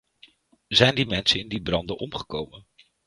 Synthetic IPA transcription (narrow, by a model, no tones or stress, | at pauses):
zɛjndimɛnsənɪndibrɑndənʔɔmχə̥kowmən